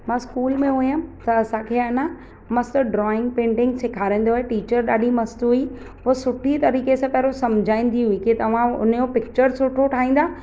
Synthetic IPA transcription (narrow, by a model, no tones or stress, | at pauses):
mãːskuːlmẽɦuijãt̪ɐːsãkʰeaːnã | mɐst̪əɖɾɔːɪ̃ŋɡpẽːɳʈɪ̃ŋɡsɪkʰaːɾĩːn̆d̪oːeʈiːt͡ɕəɾɗaːɗimɐst̪ɦui | ɦʊsʊʈʰit̪ɐɾiːkesãːpɐɦɾosɐmd͡ʑʱaːĩːn̆d̪iɦũiket̪ɐʋ̤ãʊ̰n̤jopɪk̚t͡ɕəɾsʊʈʰoʈʰaːĩːn̆d̪aː